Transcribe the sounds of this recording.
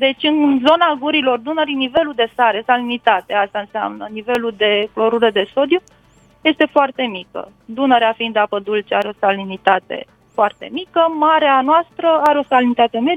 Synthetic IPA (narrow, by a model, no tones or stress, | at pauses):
d̪e̞t͡ʃʲɨnzo̞naɡuɾilo̞rd̪unəɾinive̞lud̪e̞saɾe̞salinit̪at̪east̪aɨnsea̰mnənive̞lud̪e̞klo̞ɾuled̪e̞so̞d̪ju | je̞st̪e̞foart̪e̞mikə̰d̪unəɾeafind̪apəd̪ult͡ʃeaɾeo̞salinit̪at̪e̞̰ | foart̪e̞̰mikəmaɾeanoast̪ɾəaɾeo̞salinit̪at̪e̞me̞